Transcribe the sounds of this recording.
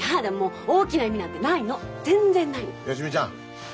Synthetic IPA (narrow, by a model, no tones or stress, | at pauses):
aɦad̪amoːoːkʲinaimʲinãt̪ːenainod͡zẽ̞nd͡zẽ̞nːainojoɕimid͡ʑã